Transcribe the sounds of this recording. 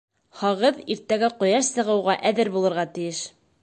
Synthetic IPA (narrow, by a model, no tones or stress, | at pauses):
hɑʁɤðiɾt̪æɡæqŏjɑʃsɤ̆ʁɤ̆wʁɑʔæðɘɾbulˠɤ̆ɾʁɑt̪ɘ̆jɘʃ